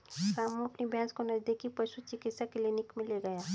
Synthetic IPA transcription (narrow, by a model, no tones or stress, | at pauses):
ɾaːmõɐpnibʱjaːskonɐd͡ʒd̪ekipəsut͡ʃɪkɪt̪sakɪlinɪkmɪ̃leɡɐjaː